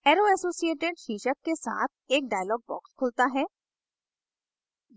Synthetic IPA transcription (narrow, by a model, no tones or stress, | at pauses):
ɛːɾoɛsoːsieːʈɪɖʃiːʃəkːesa̰ːt̪̚ʰeːk̚ɖaːjəlɔːɡ̚bɔ̰ːkskʰʊlt̪aɦɛː